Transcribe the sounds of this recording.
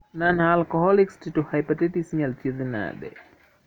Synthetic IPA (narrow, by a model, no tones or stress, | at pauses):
nanalkɔɦɔlikstituhajpat̪ɛtisɲaltoðina̰ɗɛ̰